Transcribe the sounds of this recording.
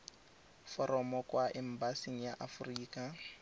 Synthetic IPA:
fɔɾɔmɔkʼwaʔɛm̩basiŋ̩jaʔafʊriːkʼa

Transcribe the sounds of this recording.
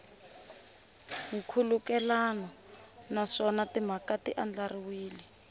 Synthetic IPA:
ŋukʰulukɛlanɔ | naʂɔnatim̤akatiʔand͡ɮariwiːli

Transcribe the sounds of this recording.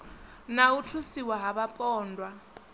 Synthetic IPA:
nautʰusiwaɦaβapʼɔːndʱwa

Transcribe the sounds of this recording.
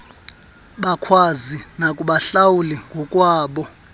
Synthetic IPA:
ɓakʰwazinakʼuɓaɬawulɛŋɡʱɔkʼwaːɓɔ

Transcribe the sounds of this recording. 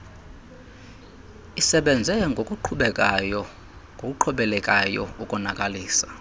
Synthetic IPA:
isɛɓɛnd͡zʱɛŋɡʱokʼuǃʰuɓɛkʼajɔ | ŋɡʱok̬ʼuǃʰɔɓɛlɛkʼajɔ̰ukʼɔnakʼaliːsḁ

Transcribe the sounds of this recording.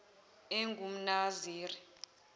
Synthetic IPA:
eŋɡʱum̩naziːri

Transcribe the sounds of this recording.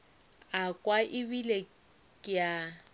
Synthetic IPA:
akʼwaʔɪbile | kʼɪja

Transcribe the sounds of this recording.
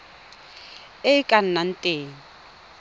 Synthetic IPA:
eikʼan̩nan̩tʼeːŋ̩

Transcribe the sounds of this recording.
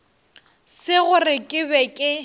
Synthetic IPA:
sɪɣʊrɪkʼɪbɛkʼɪ

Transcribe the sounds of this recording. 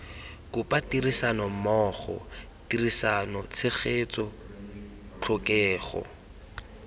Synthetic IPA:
kʊpʼatirisanɔmɔːχɔ̰ | tirisanɔt͡sʰɪχet͡sʼɔ | t͡ɬʰʊkɛːχɔ̰

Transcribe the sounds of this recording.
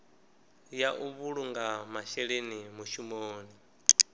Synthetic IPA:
jaʔuβuɺuŋɡamaʃɛɺenimuʃumoːni

